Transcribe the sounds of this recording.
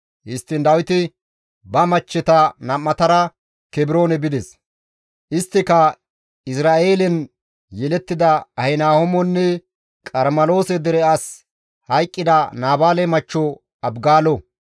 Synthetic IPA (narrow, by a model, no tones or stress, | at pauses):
hɪst̪ːɪnd̪ɐwɪt̪ɪ | bɐmɐt͡ʃːɛt̪ɐnɐmːɐt̪ɐɾɐ | kɛbɪɾo̞ːnɛbɪd̪ɛs | ʔɪst̪ːɪkɐ | ɪsɾaːʔe̞ːlɛn | jɛlɛt̪ːɪd̪ɐɐhɛnaːhɔmɔnːɛ | kʼɐɾmɐlo̞ːsɛd̪ɛɾɛɐs | hɐjkʼːɪd̪ɐnaːbaːlɛmɐt͡ʃːɔ | ɐbɡaːlɔ